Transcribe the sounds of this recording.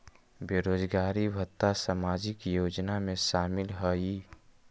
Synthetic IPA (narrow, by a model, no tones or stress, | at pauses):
beːɾoːd͡ʒɡaːɾibʱət̪ːasamaːd͡ʒɪkjoːd͡ʒnamẽʃaːmɪlɦəi